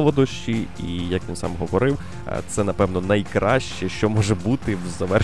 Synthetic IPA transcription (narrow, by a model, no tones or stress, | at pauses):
ʋɔd̪ɔʃt͡ʃiijɐkjinsɑ̰mɦɔʋɔɾɪw | t̪sɛnɐpɛwnɔnɐjkɾʔɑʃʲt͡ʃɛʃt͡ʃɔmɔʒɛbut̪ɪwzɐʋɛr